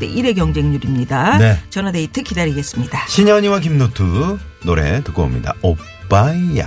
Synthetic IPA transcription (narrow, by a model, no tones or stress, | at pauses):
dḛʔiɾe̞ɡjʌŋd͡ʑe̞ŋɲuɾimɲidanet͡ɕʌnadeitʰɯkʰidaɾiɡe̞s͈ɯmɲidaɕʰiɲʌɲiwak̬imnotʰɯ | noɾe̞̰tɯk͈oo̰mɲḭda̰o | p͈ːaija̰